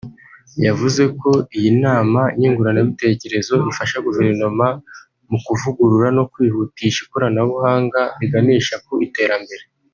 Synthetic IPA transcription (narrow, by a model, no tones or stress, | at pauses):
javuze̞ko̞ijinaːmaɲiːŋɡuɾaneβite̞ce̞ɾe̞zo̞ifaʃaɡuve̞ɾno̞ma | mukuvuɡuɾuɾano̞kwiːhutiʃikoɾanaβuhaːŋɡaβiɡaniːʃakuite̞ːɾambe̞ɾe̞